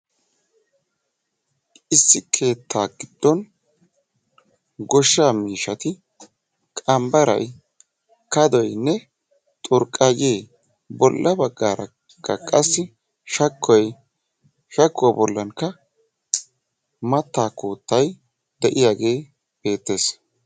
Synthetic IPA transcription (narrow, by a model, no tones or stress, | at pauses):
ɪsːɪkʰe̞ːt̪ʰːaːɡɪd̪̥ːɔn | ɡɔʃːaːmiːʃɐt̪ɪ | kʼɐmbɐɾɐ̰j | kɐd̪ɔjnːɛ | t̪ʼʊɾkʼːaɡeː | bɔlːɐbɐɡːaːɾɐ̰ | kːɐkʼɐsːɪ | ʃɐkʰːɔj | ʃɐkːɔbɔlːɐnkːɐ | mɐt̪ːaːkuːt̪ːɐj | d̪ɛʔɪjaːɡe̞ː | b̥e̞ːt̪ːe̞ːs